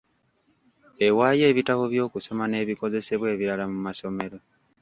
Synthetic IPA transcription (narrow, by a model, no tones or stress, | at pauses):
e̞waːje̞ːβitaβoβjo̞ːkusomane̞ːβiko̞ze̞se̞βwe̞ːβiɾalamumaso̞me̞ɾo̞